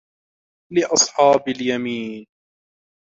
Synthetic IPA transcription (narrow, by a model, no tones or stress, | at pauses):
lɪʔɑsˤħɑːbaljamiːn